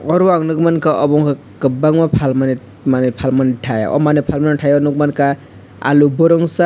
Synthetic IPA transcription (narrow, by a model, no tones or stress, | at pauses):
ɔɾwaŋnuɡmankaʔɔbɔŋka | kəbaŋmapʰalmani | manepʰalmaniʈʰaj̰ɔ̰manepʰalmaniʈʰajɔnuɡmanka | a̰lubɔɾɔŋsa